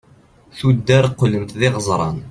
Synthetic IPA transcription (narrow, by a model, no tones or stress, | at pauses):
θud̪ːæɾˤqːələmt̪ðɪʁəzˤɾˤɑ̰n